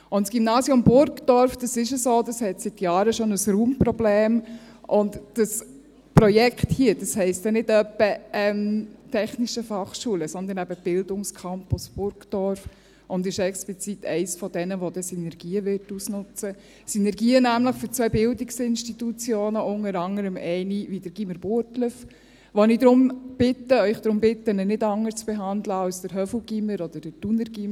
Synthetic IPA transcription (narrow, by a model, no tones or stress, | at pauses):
ʊntsɡ̥imnɑːsjʊmbʊɾkd̥ɔɾfd̥ɑsɪʃəsoːd̥ɑshɛtsɪt̪jɑːɾəʃɔnəsɾuːmpɾɔbleːm | ʔʊndd̥ɑs | pɾɔjɛkχthiəd̥ɑshɛɪstɛnɪdœpːəʔɛmtʰɛχniʃəfɑχʃuːələsɔnd̪ənɛb̥əb̥ɪldʊŋskʰɑmpʊsb̥ʊɾɡd̥ɔɾf | ʔʊndɪʃɛksplit͡sitʰɛ̰ɪsfɔdɛnəʋod̥ɛsinɛɾɡ̥iːəʋɪɾtusnʊt͡sə | sinɛɾɡiːənæmləχføt͡svœːbɪldɪksɪnʃtitut͡sjoːnəʔʊŋəɾɑŋəɾəmɛɪnividəɾɡ̥iməɾbutləf | ʋɔnɪd̪ɾʊmb̥ɪtːəœʏχd̥ɾʊmbɪt̪ːənənɪdɑŋːəst͡sb̥ɛɦɑnd̪ləɑlsd̥əɾɦœfl̩ɡiməɾɔd̥̪əd̥əd̥unəɾɡ̥im